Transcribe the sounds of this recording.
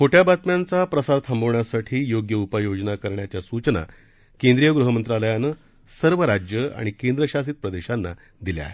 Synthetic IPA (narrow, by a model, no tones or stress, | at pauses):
kʰoʈjabat̪mjant͡sapɾəsaɾt̪ʰambəʋɳjasaʈʰiːjoɡjəupəjod͡znakəɾɳjat͡ɕjasut͡ɕna̰ | kẽnd̪ɾijəɡɾuɦəmənt̪ɾaləjanə | səɾʋəɾad͡ʑjəa̰ɽ̃ikend̪ɾəɕasit̪̚pɾəd̪eɕanːa̰ | d̪ilj̰a̰ɦe